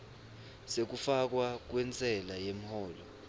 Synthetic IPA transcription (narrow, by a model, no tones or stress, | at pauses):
sek̬ufak̬wak̬wɛnt͡sʼɛlajem̩hɔːlɔ